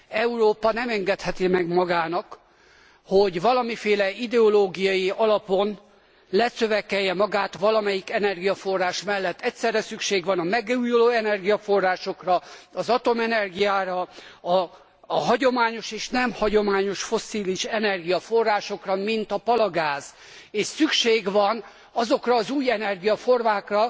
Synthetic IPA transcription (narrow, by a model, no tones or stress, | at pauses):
ɛuroːpɒnɛmɛŋɡɛt̪hɛt̪imɛɡmɒɡaːnɒk | ho̞ɟvɒlɒmifeːlɛid̪ɛoloːɡijɒjiɒlɒpo̞n | lɛsøvɛkɛjːɛmɒɡaːt̪ʋɒlɒmɛjikɛnɛrɡijɒfo̞rːaːʃmɛlːɛt̪ːɛcʲsɛrːɛsykʃeːɡʋɒnɒmɛɡujoloːɛnɛrɡijɒfo̞rːaːʃo̞krɒɒzɒt̪o̞mɛnɛrɡijaːɾɒɒ | ɦɒɟo̞maːɲo̞ʃeːʃnɛmhɒɟo̞maːɲo̞ʃfo̞sːiːliʃɛnɛrɡijɒfo̞rːaːʃo̞krɒmint̪ɒpɒlɒɡaːz̥ | eːʃsykʃeːɡvɒn | ɒzo̞krɒːzuːjɛnɛrɡijɒfo̞rmaːkrɒ